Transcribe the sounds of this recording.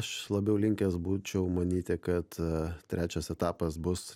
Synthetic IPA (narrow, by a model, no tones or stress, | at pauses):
ʃlˠɐbʲɛʊlʲɪŋʲkʲɛsbuːt͡ʃʲɛʊmɐnʲiːt̪ʲɪkɐt̪t̪ʲɾʲæːt͡ʃʲɛsɛt̪ɑːpɐs̬bʊs